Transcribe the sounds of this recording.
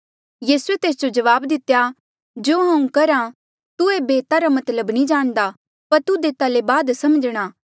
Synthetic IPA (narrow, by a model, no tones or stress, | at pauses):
jiːsuet̪eːs̬d͡ʒod͡ʒɐʋaːbd̪ɪt̪ja | d͡ʒoːɦãːũkɐɾã | t̪uebeːt̪aɾamɐt̪ləbnĩd͡ʒaːɽ̃d̪a | pɐɾt̪ud̪eːt̪alebaːd̪sɐmd͡ʒɽ̃aː